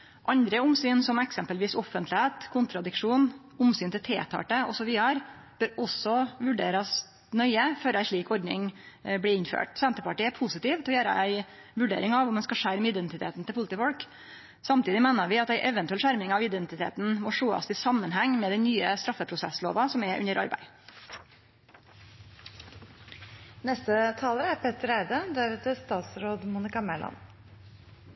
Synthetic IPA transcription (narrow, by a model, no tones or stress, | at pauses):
ʔɑnd̪ɾəʊmsyːnsɔmɛksɛmpəlʋiːsɔfənt̪lɪheːt̪kʰʊnt̪ɾɑd̪ɪkʂuːn | ʊmsyːnt̪ʰɪlt̪ʰḛːt̪ʰɑ̰ːʈəɔsɔʋiːəɑɾ | b̥øɾɔsɔʋʉɖeːɾɑs | nœʏəføɾæɪʂɭiːkɔɾɖnɪ̰ŋ | bliːɪnfø̰ːʈsɛnt̪əpɑʈiːæɾpʰusɪt̪iːʋt̪ʰɛɔjøːɾə̰ʔæɪ | ʋʉɖḛːɾɪŋɑʋmɛnskɑʂæɾmɪd̪ɛnt̪ɪt̪ʰḛːt̪n̩t̪ɪlpʊlt̪ifɔlk | sɑmt̪iːd̪ɪmæɪnəʋɪɑt̪æɪʔɛʋənt̪ʉɛlʃæɾmɪŋɑʋɪd̪ɛnt̪ɪt̪ʰḛːt̪nmɔʂoːɑ̰sɪsɑmːənɦæŋːmɛd̪ɛnnyːəst̪ɾɑfːəpʰɾʊsɛslo̰ːʋɑsɔmɛʔʉ̰nəɾʔɑ̰ɾbæ̰ɪ | nɛst̪ət̪ʰɑːləɾæɾpʰɛt̪əɾæɪd̪əd̪æɾʋet̪ʰɪst̪ɑːt̪sɾoːd̪muːnɪkɑmɛlɑ̰n